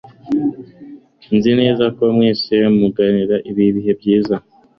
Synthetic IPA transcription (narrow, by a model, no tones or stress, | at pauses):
nzine̞ːzako̞mŋiːsiwemuɡaniɾaʔiβiβiɦe̞bɟiːza